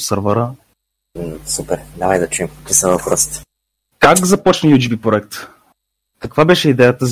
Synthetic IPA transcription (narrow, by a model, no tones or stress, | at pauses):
səɾvəɾə | supɛɾnavəjd̪ɐt͡ʃuimkokisəvəkɾɔst̪ | kakzɐpɔt͡ʃnəjut̪ʲubipɾoɛk̚t̪ | kɐkvabɛʃɛid̪ɛjət̪əz